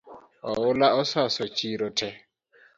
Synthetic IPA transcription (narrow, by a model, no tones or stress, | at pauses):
ɔ̰ʊlaɔsasɔt͡ʃʼiɾɔtʰɛ